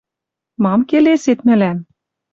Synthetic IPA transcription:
mɑmkeleset̪mɘ̆læm

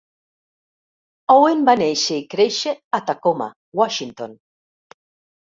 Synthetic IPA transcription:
owenbanejʃeikɾejʃeat̪akoma̰ | waʃint̪on

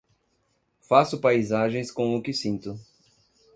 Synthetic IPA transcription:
fasʊpajzaʒẽj̃skõʊkɪsĩnt̪ʊ

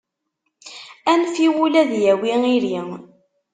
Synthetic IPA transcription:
ænfiwulæðjæwiŋiɾiŋ

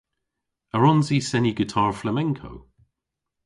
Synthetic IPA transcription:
əɹɔnzisɛniɡɪtʰɑːɹflamɛ̃ŋkʰo̰w

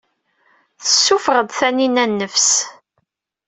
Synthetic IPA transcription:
θəsːufəʁəd̪θæninænːəfs

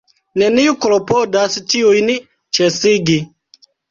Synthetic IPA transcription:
neniukolopodast͡ʃiujn | t͡ʃesiɡi

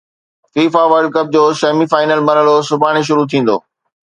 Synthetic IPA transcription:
fiːfaʋəɾɖ̚kɐp̚d͡ʑoːʃɐmifaːɪnəlbɐɾɦəlosʊbʱaːɽ̃eʃ̬ʊɾut̪ʰĩːn̆d̪o̰ː

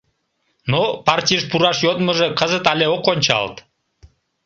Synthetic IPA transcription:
nopɑrtʲijəʃpuɾɑʃjot̪məʒekəzət̪ɑlʲeokonʲt͡ɕɑ̰lt̪

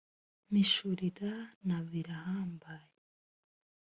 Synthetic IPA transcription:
miʃuɾiɾanaβiɾahaːmbaji

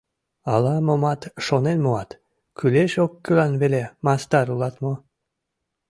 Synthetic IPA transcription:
ɑlɑmomɑt̪ʃonenmoɑt̪ | kyleʃokːylɑnβelemɑst̪ɑɾulɑt̪mo

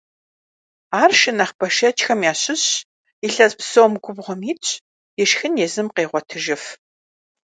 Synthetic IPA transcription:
aːrʃɨnɐχbɐʃɐt͡ʃxɐmjaːɕɪɕ | iɬɐzpsowmɡʷʊbʁʷɔmiːt͡ʃʼ | jɪʃxɨnjɛzɨmqeːʁʷɔtʰɨʒɪf

